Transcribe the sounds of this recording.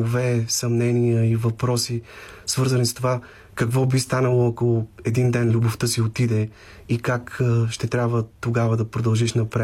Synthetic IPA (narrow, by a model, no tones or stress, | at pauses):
vɛsɐmnɛnijəivɐpɾɔsi | svɤɾzənist̪ova | kɐkvɔbist̪anəlˠoɐkoɛd̪ind̪ɛnlʲuboft̪ɤsiot̪id̪ɛ | ikakːʃt̪ɛt̪ɾʲjabvət̪oɡavəd̪ɐpɾod̪ɐlˠʒiʃnɐpɾɛ